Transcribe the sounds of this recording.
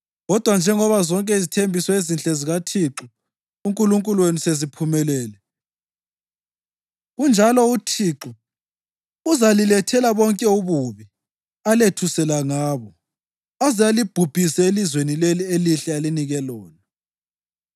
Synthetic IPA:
ɣɔd̥ʱwand͡ʒʱɛŋɔβazɔŋkʼɛizitʰembʱisɔezint͡ɬʼɛziɣatʰiǁu | uŋkʼuluŋkʼulwenisezipʰumɛlɛːlɛ | ɣund͡ʒʱalɔutʰiːǁu | uzalilɛtʰɛlaβɔŋkʼɛuβuβi | aletʰusɛlaŋaːβɔ | azijalib̥ʱub̥ʱisɛelizwenilelieliɬɛaliniɣɛlɔːna

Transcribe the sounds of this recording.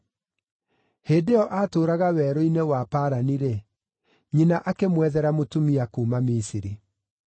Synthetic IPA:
heːdeɔʔaːtoːɾaɣawɛːɾoinewapaːɾaniɾe | ɲinaʔakemwɛðɛɾamotumiakuːmamisiɾi

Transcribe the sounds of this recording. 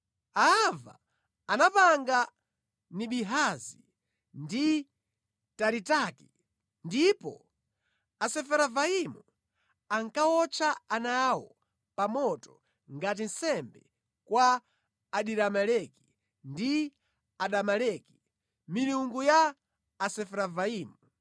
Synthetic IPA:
aava̰ː | napaŋɡa | niɓiɦazi | ndi | taɾitaki | ndipɔ̰ | asɛfɛɾavaimu | aŋkawɔt͡ʃʰaanawɔ | pamɔtɔ | ŋɡat̬in̩sɛmbɛ̰ | kwaː | ɗiɾamalɛki̥ | ndi | aɗamalɛki̥ | minuŋɡujaː | sɛfɛɾavaiːmu

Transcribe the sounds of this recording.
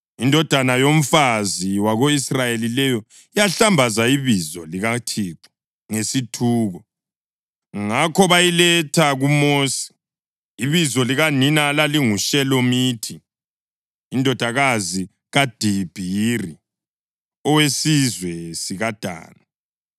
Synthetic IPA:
indʱɔd̥ʱanajom̩faziwaɣoisrajelilɛjɔ | ijaɬambʱazaiβizɔliɣatʰiǀu̥ | ŋesitʰuːɣɔ | ŋakʰɔβajilɛtʰaɣumoːsi̥ː | βizɔliɣaninalaliŋuʃɛlomiːtʰi | ndʱɔd̥ʱaɣazi | ɣad̥ʱib̥ʱiri | ɔwesizwɛsiɣad̥ʱa̰ːna

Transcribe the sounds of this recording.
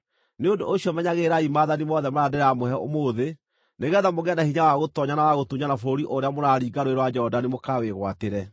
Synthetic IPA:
neodooɕiɔmɛɲaɣeɾaimaːðanimɔðɛmoɾadeɾamohɛo̰moːðe | neɣɛðamoɣɛndahiɲawaɣotɔɲanawaɣotuɲanafoɾiʔoɾeamoɾaɾiːɡaɾoeɾwad͡ʒɔɔdanemokaweɣwateɾɛ

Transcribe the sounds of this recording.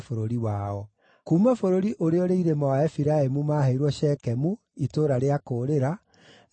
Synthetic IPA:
foɾoɾiwaɔ | kuːmafoɾoɾiʔoɾeɔɾeiɾemɔwaɛfiɾaemumaɦeiɾwɔʃɛkɛmu | itoːɾaɾeakoːɾeɾa

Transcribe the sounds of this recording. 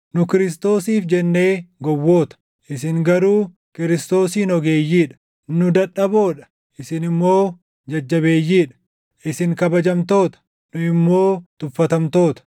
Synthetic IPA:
nʊkɪɾɪs̬t̪o̞ːsiːfd͡ʒɛnːe̞ːɡɔwːo̞ːt̪ɐ̥ | ʔɪsɪŋɡɐɾuː | kɪɾɪst̪o̞ːsiːnɔɡe̞ːjːiːᶑɐ̥ | nʊd̪ɐᶑɐbo̞ːᶑɐ̥ | ʔɪsɪnɪmːo̞ː | d͡ʒɐd͡ʒːɐbe̞ːjːiːᶑɐ̥ | ʔɪsɪŋkɐbɐd͡ʒɐmt̪o̞ːt̪ɐ̥ | nʊɪmːo̞ːt̪ʊfːɐt̪ɐmt̪o̞ːt̪ɐ̥

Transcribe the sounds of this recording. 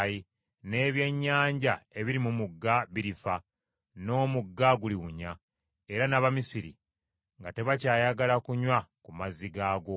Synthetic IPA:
ji | ne̞ːβje̞ɲːaːɲɟae̞βiɾimumuɡːaβiɾifa | no̞ːmuɡːaɡuliɣuɲa | e̞ɾanaβamisiɾḭ | ŋɡate̞βacaːjaɡalakuɲwakumaziɡaːɡo̞

